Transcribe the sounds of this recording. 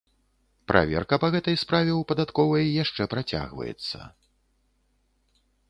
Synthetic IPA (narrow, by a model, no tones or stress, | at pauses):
pɾʔa̰vʲɛ̰rkɐpɐɣɛt̪ɐjspɾavʲɛwpɐd̪at̪kɔvɐjːaʂt͡ʂɛpɾat͡sʲa̰ɣvɐ̰jɛ̰t̪sːɐ̰